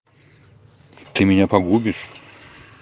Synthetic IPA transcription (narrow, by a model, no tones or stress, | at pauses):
t̪ɨmʲɪnʲapɐɡubʲɪʂ